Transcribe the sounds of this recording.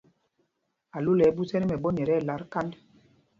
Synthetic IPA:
a˨lo˦lɛ˨˦bu˦tɛ˦ɾi˦mɛ˨bɔ˦ɲɛ˨ɾɛː˦˨la˨˦ɾka˦nd

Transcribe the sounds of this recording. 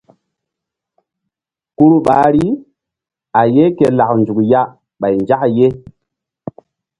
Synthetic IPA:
ku˦ɾu˦ɓa˨˦ɾi˦ | a˨je˦ke˨la˨knd͡ʒu˨kja˦ | ɓa˨jnd͡ʒa˦kje˦

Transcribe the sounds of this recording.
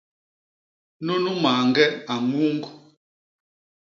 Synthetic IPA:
nu˦nu˦maː˨ŋɡɛ˦a˨ŋu˦ŋɡu˦

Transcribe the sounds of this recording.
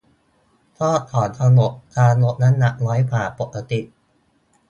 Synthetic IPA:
t̪ʰɔː˥˩t̪ʰːɔː˩˦nt̪ʰa˧nlo˨˩t̪̚kʰaː˧nlo˨˥t̪̚na˦˥nːa˨˩ʔ̚lɔː˦˥jpʰaː˨˩po˨˩kːa˧t̪i˨˩ʔ

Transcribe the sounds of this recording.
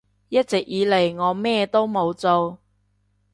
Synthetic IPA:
jɐ˥t̚t͡sɪ˨k̚jiː˨˧le˨˩jŋɔː˨˧mɛː˥t̪o˥wmo˨˧wt͡so˧w

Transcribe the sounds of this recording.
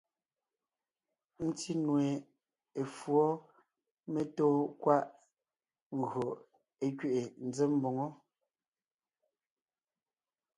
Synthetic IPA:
n̩˦ti˦nwe˨ | e˨fwɔ˦ | me˦toː˦kwa˦ʔ | ŋ̩˨ɣɰo˨ | e˦kɥe˨ʔe˨n̩˨˦d͡ze˦m̩˦bo˨ŋɔ˦

